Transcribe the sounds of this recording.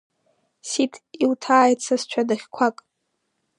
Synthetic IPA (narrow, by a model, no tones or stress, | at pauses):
sitʰiwtʰaːjt͡sʰast͡ʃʷʰadaχʲkʷʰakʼ